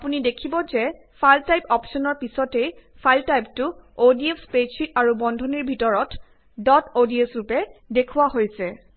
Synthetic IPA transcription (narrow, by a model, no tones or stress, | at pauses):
apunidekʰibɔzɛ | pʰaltajpɔpsɔnɔɹpisɔtejpʰaltajp̚tʊodiefspesikaɹubɔndʱɔniɹbʱitɔɹɔt | dɔtodiesɹupɛdekʰuwaɦojsɛ